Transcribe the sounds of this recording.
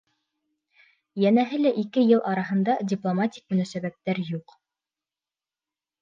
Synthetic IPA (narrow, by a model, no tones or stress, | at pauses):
jænæɦɘlæʔikɘjɤlˠʔɑɾɑɦɤ̆nd̪ɑdʲiplˠomatʲik̚mɵ̆næsæβæp̚t̪æɾjuq